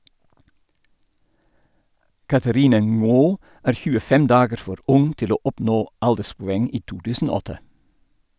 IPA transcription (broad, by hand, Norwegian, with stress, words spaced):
ˈkɑθəˌɾɪnə ˈŋoː ˈæːɾ ˈçʉːəˌfɛm ˈdɑːɡəɾ ˈfɔɾ ˈʊŋ ˈtɪl ˈoː ˈɔpˌnoː ˈɑldəspʊˌɛŋ ˈiː ˈtuː ˈtʉːsn̩ ˈoː ˈɔtə